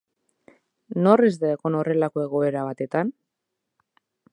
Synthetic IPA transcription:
no̞rezðeako̞no̞re̞lako̞e̞ɣ̞o̞e̞ɾaβ̞at̪e̞t̪an

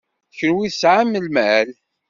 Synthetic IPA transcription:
çənwiθsʕamːəlmæl

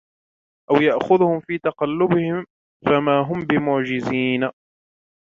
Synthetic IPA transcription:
ʔawjaʔxʊðʊhʊmfiːt̪ɑqɑlːʊbɪhɪm | famaːɦʊmbɪmʊʕd͡ʒɪziːna

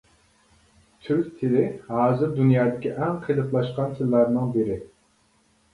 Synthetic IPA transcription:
t̪ʰyɾkʲt̪ʰɪlɪhɑːzɨɾd̪unjɑːd̪ɪkʲʰiʔɛŋqʰelˠɨplˠɑʃqɑnt̪ʰɨlˠːɑɾnɨŋbɪɾɪ

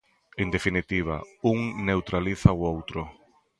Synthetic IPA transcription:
end̪efinit̪iβ̞a̰uŋnewt̪ɾaliθaoowt̪ɾʊ

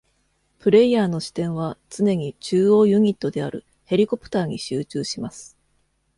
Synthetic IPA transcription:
pɯ̟ɾe̞ijaːno̞ɕi̥t̪ẽ̞ɰ̃βat͡sɨne̞ɲ̟it͡ɕɨːo̞ːjɯ̟ɲ̟it̪ːo̞d̪e̞aɾɯ̟ | he̞ɾʲiko̞pɯ̟̥t̪aːɲ̟iɕɨːt͡ɕɨːɕimasɨ̥

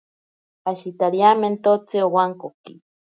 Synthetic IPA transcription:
aʃit̪aɾjament̪ot͡seowaŋkoki

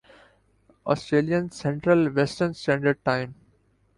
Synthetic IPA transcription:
ʔɔːsʈɾeːliə̃nsɛ̃ɳʈɾəlʋɛsʈəɾnsʈæ̃ɳɖəɖ̚ʈãɪ̃m

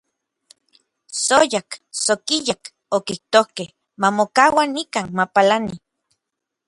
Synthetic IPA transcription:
sojaksokijak | okiht̪ohkeh | mamokawanikanmapalani

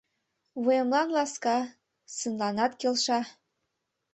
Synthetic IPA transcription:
βujemlɑnlɑskɑ | sənlɑnɑt̪kelʃɑ

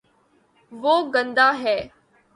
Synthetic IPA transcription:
ʋoːɡə̃nd̪aːɦɛː

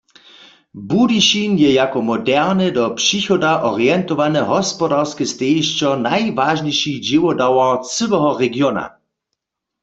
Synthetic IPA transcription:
budiʃinjɛjakɔmɔdɛʁnɛdɔpʂixɔdaʔɔʁiɛnt̪ɔʋanɛɦɔspɔdaʁskɛst̪eːʃt͡ʃɔnajvaʒɲejʃid͡ʑiwɔdawat͡sɨwɛɦɔʁɛɡjɔna̰

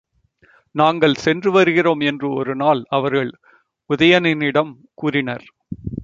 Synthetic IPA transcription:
naːŋɡɐɭsɛndrɯʋɐɾɯɣɪroːmɛndrɯɔɾɯnaːlɐʋɐɾɣɐɭ | ʊðɐjɐnɪnɪɽɐm | kuːrɪnɐɾ

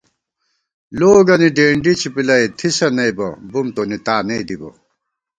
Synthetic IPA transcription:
loːɡɐniɖeːɳɖit͡ɕʰipilɐjt̪ʰisɐnɐjbɐ̰bumt̪onit̪aːnejd̪ibɐ̰

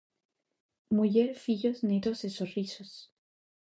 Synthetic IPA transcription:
muʝeɾfiʎoznet̪osesorisos

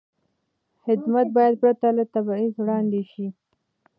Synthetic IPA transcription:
hɪd̪mat̪̚bɑjad̪̚pɾat̪alat̪abɑizwɽɑnd̪eʃi

